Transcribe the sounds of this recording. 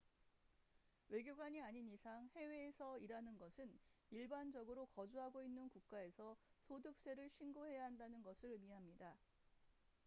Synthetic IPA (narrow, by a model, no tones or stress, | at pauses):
we̞ɡjoɡwaɲiaɲinisʰaŋhe̞we̞ːsʰʌiɾanɯnɡʌsʰɯniɭband͡ʑʌɡɯɾokʌd͡ʑuɦaɡoinːɯnkuk̚k͈ae̞sʰʌsʰodɯk̚s͈e̞ɾɯɭɕʰinɡoɦe̞jaɦandanɯnɡʌsʰɯɭmiɦamɲida